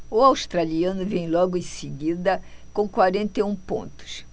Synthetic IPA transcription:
ʊawst̪ɾaliɐ̃nʊvẽj̃lɔɡʊẽseɡid̪ɐkõkwaɾẽnt̪eũpõ̰nt̪ʊ̥s

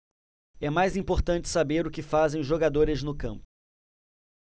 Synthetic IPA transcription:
ɛmajzĩpoɾt̪ɐ̃nt͡ʃɪ̥sabeɾʊkɪfazẽj̃ʒoɡad̪oɾɪznʊkɐ̃mpʊ

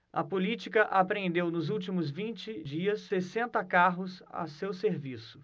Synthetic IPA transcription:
ɐ̰polit͡ʃikɐʔapɾẽnd̪ewnʊzuwt͡ʃimʊzvĩnt͡ʃɪd͡ʒiɐsːesẽnt̪ɐkaɦʊsa̰sewseɾvisʊ̥

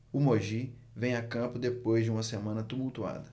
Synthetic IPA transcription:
ʊmoʒi | vẽj̃akɐ̃pʊd̪epojzd͡ʒɪũmɐsemɐ̃nɐt̪umuwt̪ua̰d̪ɐ

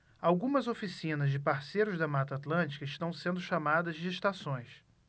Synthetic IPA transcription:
awɡũmɐzofisĩnɐzd͡ʒɪpaɾsejɾʊzd̪ɐmat̪at̪lɐ̃nt͡ʃi̥kɐɪʃt̪ɐ̃w̃sẽnd̪ʊʃamad̪ɐzd͡ʒɪeʃt̪asõj̃s

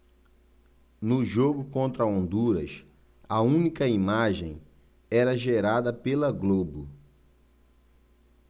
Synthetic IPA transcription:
nʊʒoɡʊkõnt̪ɾɐõnd̪uɾɐs | ɐũnikɐimaʒḛ̃j̃ | ɛɾɐʒeɾad̪ɐpelɐɡlobʊ

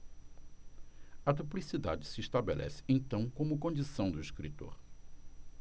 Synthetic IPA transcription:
ɐd̪uplisid̪a̰d͡ʒɪsɪːʃt̪abelʔɛ̰sɪ̥ẽt̪ɐ̃w̃kõmʊkõnd͡ʒisɐ̃w̃d̪ʊiskɾit̪o̰ɾ

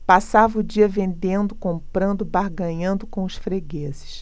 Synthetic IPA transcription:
pasavɐʊd͡ʒiɐvẽnd̪ẽnd̪ʊkõmpɾɐ̃nd̪ʊbaɾɡɐ̃ɲɐ̃nd̪ʊkõw̃ʊsfɾeɡezɪ̥s

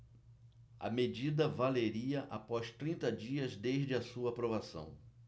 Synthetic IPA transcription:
ɐ̰med͡ʒid̪ɐvaleɾiɐʔapɔst̪ɾĩnt̪ɐd͡ʒiɐzd̪eʒd͡ʒɪɐsuɐːpɾovasɐ̰̃w̃

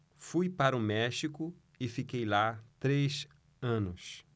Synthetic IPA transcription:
fujpaɾʊmɛʃikʊ | ɪfikejlat̪ɾes | ɐ̃nʊs

